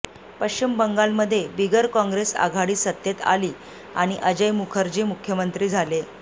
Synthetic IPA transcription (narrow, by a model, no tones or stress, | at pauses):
pəɕt͡ɕimbəŋɡalməd̪ʱːjebiɡəɾkɔ̃ŋɡɾesa̰ɡʱaɽiːsət̪jet̪a̰liː | aɽ̃iʔəd͡ʑəjmukʰəɾd͡ʑiːmukʰjəmənt̪ɾiːd͡zʱale